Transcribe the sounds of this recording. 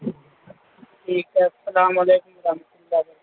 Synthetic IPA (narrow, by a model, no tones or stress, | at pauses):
ʈʰiːkeɐsːɐlaːmɐleːkʊmwɐɾɐɦmət̪ulːaːd